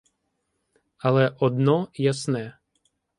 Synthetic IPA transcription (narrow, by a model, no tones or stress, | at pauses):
alɛʔɔd̪nɔjasnɛː